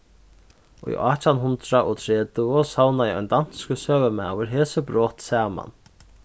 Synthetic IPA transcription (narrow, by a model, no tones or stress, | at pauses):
ɔḭʔaːt͡ɕanɦʊnt̪ɾaʔɔt̪ʰɾɛːt̪ʊɔsawnaɛɔ̰jnd̪an̥skəsœːvəmɛ̰wɪɾɦeːsəbɾɔːht̪sɛːma̰n